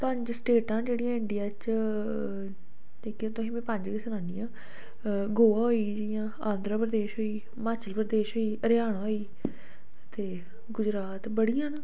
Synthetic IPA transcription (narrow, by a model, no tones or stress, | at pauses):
pəɲd͡ʒsʈeːʈãːd͡ʒeːɽijãːɪɳɖɪjaːt͡ʃ | iːkãːt̪ʊɦĩːmɛ̃ːpə̃ɲd͡ʒkɪsənaːniːãː | ɡoːaːɦoːiːd͡ʒeijãː | ãːnd̪ɾəpɾəd̪eːʃɦoːiː | maːt͡ʃəlpɾəd̪eːʃɦoːiːəɾjaːɽ̃ãːɦoːiː | t̪eː | ɡʊd͡ʒɾaːt̪bəɽijãːnaː